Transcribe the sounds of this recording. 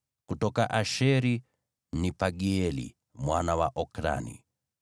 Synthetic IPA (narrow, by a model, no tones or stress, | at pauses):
kutɔkaʔaʃɛɾi | nipaɡiɛlḭ | mwanawaʔɔkɾa̰nḭ